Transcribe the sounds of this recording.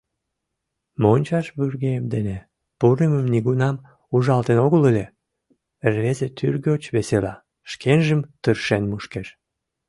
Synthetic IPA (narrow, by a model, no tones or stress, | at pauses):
monʲt͡ɕɑʃβyrɣeəmd̪ene | puɾəməmniɣunɑm | uʒɑlt̪enoɣələlʲe | erβezet̪yrɣeot͡ɕβeselɑ | ʃkʰenʒəmt̪ərʃenmuʃkeʃ